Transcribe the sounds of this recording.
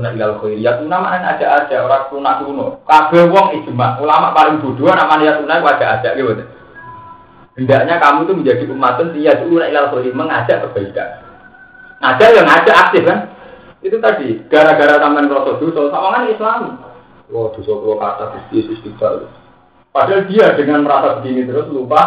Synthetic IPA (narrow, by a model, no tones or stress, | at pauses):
unaʔilalχoiɾijat̪unamaneŋad̥ʒ̥a̤ʔad̥ʒ̥aʔoɾatunaʔkuunɔkab̥ɛhwɔŋid̥ʒ̥əmaʔulamaʔpalɪŋd̪̥o̤d̪̥o̤anaʔmanejat̪unaikuad̥ʒ̥aʔad̥ʒ̥aʔɡewət̪ | b̥əndaʔɲakamut̪umənd͡ʒad̥i̤ʔumat̪ənsijad͡ʒulunaʔilalxoiɾiməŋad̥ʒ̥a̤ʔk̪əb̥a̤id̪a̰ʔ | ŋḁʒ̥aʔjaŋḁʒ̥a̤ʔak̚sɪfkan | it̪ut̪ad̥i̤ɡ̥a̤ɾaɡ̥aɾat̪amanɾɔsɔd̪̥o̤sɔsawaŋanislami | wɔd̪̥o̤sɔt̪ulɔka̰t̪ad̥̪ust̪iesʊsd̪ib̪̥aʔt̪ʊ | pad̥ald̪̥iad̥əŋanməɾasabəɡiŋit̪əɾʊslupa